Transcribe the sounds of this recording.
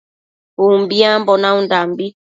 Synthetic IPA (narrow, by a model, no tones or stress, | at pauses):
umbiambɔnaundambi